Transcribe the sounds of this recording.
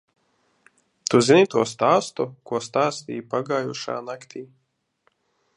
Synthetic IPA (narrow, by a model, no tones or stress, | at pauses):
t̪uzinit̪uɔst̪aːst̪ukuɔst̪aːst̪ʲḭːpaɡaːjuʃa̰ːnakt̪ʲʰiː